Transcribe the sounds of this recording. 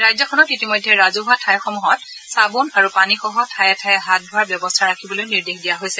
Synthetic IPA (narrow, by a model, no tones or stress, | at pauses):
ɹajzɔkʰɔnɔtitimɔjdʱːɛɹazuɦatʰajxɔmuɦɔt | sabunaɹupanixɔɦɔtʰajɛtʰajɛɦat̚dʱʊaɹbjɔbɔstʰaɹakʰibɔlojniɹdexdijaɦojsɛ